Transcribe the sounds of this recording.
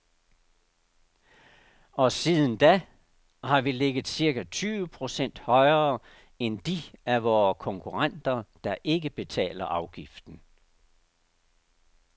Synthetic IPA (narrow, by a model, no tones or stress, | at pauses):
ɒ̽siðˠən̩d̥æ | hɑ̈ʋileɡ̥ð̩ˠsiɐɡ̥æt͡sʰyːʋəpʰʁo̝sen̰d̥hɒ̽ɪɐː | end̥iæʋɒːkʰɒ̽ŋkʰuʁɑn̰d̥ɐd̥ɑ̈ʔe̝ɡəb̥e̝t͡sʰɛ̰ːlɐʔɑ̈ʊɡ̥ifd̥n̩